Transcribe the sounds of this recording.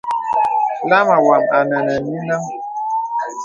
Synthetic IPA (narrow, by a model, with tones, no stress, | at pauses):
la˦ma˨wa˨ma˨nə˨nə˨ni˦na˦ŋ